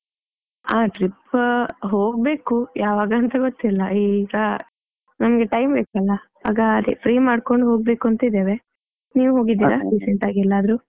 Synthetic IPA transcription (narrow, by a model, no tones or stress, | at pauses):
aːʈɾipɦoːɡ̚be̞ːkujaːʋaːɡɐːnt̪ɐɡot̪ːilːɐʔiːɡɐ | nɐnɐɡe̞ʈɐjmbeːkɐlːɐɦa̰ːɡaːd̪epʰɾiːmaːɖko̞ɳɖɦo̞ːɡ̚be̞ːkuɐnt̪ɐid̪eːʋe̞ | niːʋuɦo̞ːɡid̪iːɾaɖisɛɳʈaːɡiɛlːaːd̪ɐɾu